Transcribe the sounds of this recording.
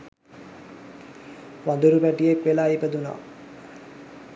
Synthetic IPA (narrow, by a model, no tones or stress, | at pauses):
ʋand̪uɾupæʈijekʋelaːipəd̪una̰a̰